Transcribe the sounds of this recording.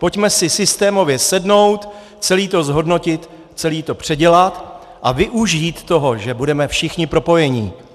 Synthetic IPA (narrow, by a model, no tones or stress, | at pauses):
po̞cmɛsɪsɪst̪ɛːmo̞vjɛsɛdno̞wt̪ | t͡sɛliːt̪o̞zɦo̞dno̞cɪt̪ | t͡sɛliːt̪o̞pr̝̥ɛɟɛlat̪ | ʔavɪʔuʒiːt̪ːo̞ɦo̞ʒɛbudɛmɛfʃɪxɲɪpɾo̞po̞jɛɲiː